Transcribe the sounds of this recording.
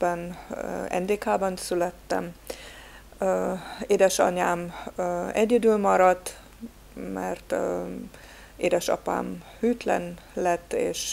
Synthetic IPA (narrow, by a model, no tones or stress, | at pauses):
bɛnɛ̰nd̪eːkaːbɒnsylɛt̪ːɛ̰m | eːd̪ɛʃɒ̰ɲaːm | ɛɟɛd̪ylmɒɾɒt̪ | mɛrt̪ | eːd̪ɛʃɒ̰pa̰ːmhyːt̪lɛ̰nlɛt̪ːeːʃ